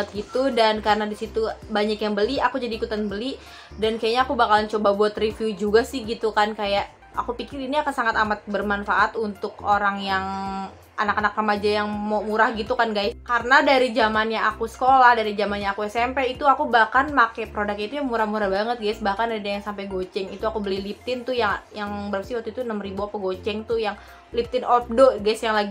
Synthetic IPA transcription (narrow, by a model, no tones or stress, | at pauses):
ət̪̚ɡit̪udankaɾənadisit̪ubaɲakjaŋbəliakud͡ʒadiːkut̪anbəli | dankajaʔɲaːkubakalnt͡ʃobabuat̪rifiud͡ʒuɡasɪhɡit̪ukankajaʔ | a̰kupikɪɾiniakansaŋat̪amat̪̚bərmanfaʔat̪unt̪ʊkoɾaŋjaŋ | ʔanakanakrəmad͡ʒajaŋmomuɾahɡit̪ukanɡaɪskaɾənadaɾid͡ʒamanɲaakusə̥kolahdaɾid͡ʒamanɲaːkuasampɛit̪uakubahkanmakɛpɾodak̚ɲit̪ujaŋmuɾahmuɾahbaŋət̪̚ɡajsbahkanaidajaŋsampajɡot͡ʃɛŋit̪uakubəlihlip̚t̪ɪnt̪ʊjaŋjaŋbəɾapsiwat̪uit̪unəmribuapaɡot͡ʃɛŋt̪ʊjaŋ | lip̚t̪ɪnʔɔp̚doʔɡajsjaŋlaɡi